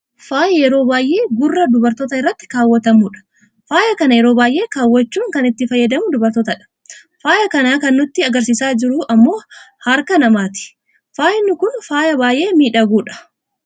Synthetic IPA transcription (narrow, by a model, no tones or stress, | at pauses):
faːjɐjɛɾo̞ːbaːjʔe̞ːɡʊrːɐd̪ʊbɐɾt̪oːt̪ɐɪrːɐt̪ːɪ̥kaːwːɐt̪ɐmuːᶑɐ̥ | faːjɐkɐnɐjɛɾo̞ːbaːjʔe̞ːkaːwːɐt͡ʃːuːŋkɐnɪt̪ːɪfɐjːɐd̪ɐmʊd̪ʊbɐɾt̪oːt̪ɐᶑɐ̥ | faːjɐkɐnaːkɐnːʊt̪ːɪɐɡɐɾsiːsaːd͡ʒɪɾʊɐmːo̞ːhɐɾkɐnɐmaːt̪ɪ̥ | faːjɪnːʊkʊnfaːjɐbaːjʔe̞ːmiːᶑɐɡuːᶑɐ̥